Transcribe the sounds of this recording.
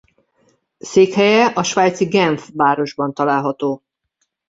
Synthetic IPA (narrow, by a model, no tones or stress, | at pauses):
seːkhɛjɛʔɒʃʋaːjt̪siɡɛɱfʋaːɾo̞ʒbɒnt̪ɒlaːlɦɒt̪oː